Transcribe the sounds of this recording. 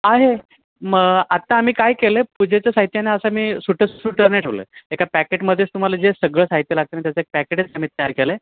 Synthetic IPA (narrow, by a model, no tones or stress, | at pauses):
aɦe | məɡat̪aːm̤iːkajkelepud͡ʑet͡seəsaɦit̪janaəsəmiːsuʈʰəssuʈəɾnaʈʰoʋlə̰ːekapækeʈməd̪ʱːjet͡st̪um̤alad͡zesəɡɭəːsaɦit̪jəlaɡ̚t̪ənat̪jat͡səek̚pækeʈet͡sam̤iːt̪ːəjaɾkele